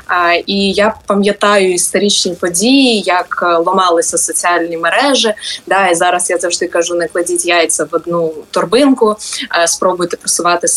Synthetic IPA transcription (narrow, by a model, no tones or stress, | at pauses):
ijapɐmʲjɐt̪ɑjʊist̪ɐɾʲit͡ʃnʲiipɔdʲijijɐklˠɔmɑlˠɪsʲɐsɔt͡sʲiɑlʲnʲimeɾɛʒɪd̪ɑizɑɾɐsjazɐwʐd̪ɪkɐʒunɐklˠɐdʲitʲjajt̪t͡s̪ʲɐʋɔd̪nut̪ɔrbɪnkʊspɾɔbʊjt̪ɛ̥pɾɔsʊʋɑt̪ɪ